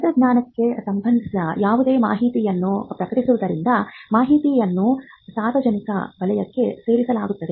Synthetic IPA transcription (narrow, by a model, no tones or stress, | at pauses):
ɐd̪ɐɡnaːnɐkːe̞sɐmbʱɐnd̪isɐjaːʋud̪e̞ːma̰ːɦit̪ijɐnːupɾɐkɐʈisuʋud̪ɐɾind̪ɐmaːɦit̪ijɐnːusaːɾʋɐd͡ʒɐnikɐ̰bɐlɐjɐkːe̞se̞ːɾisɐlaːɡut̪ːɐd̪e